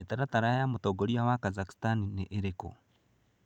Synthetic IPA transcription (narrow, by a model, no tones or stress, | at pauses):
etaɾataɾajamutoɡoɾiawakazaki̥stanineʔeɾeko̰